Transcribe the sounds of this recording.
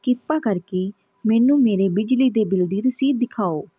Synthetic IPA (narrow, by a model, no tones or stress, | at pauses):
kɪpaːkəɾkeː | mɛːnũːmeːɾeːbɪd͡ʒliːd̪eːbɪld̪iːɾəsiːd̪ːɪkʰaːoː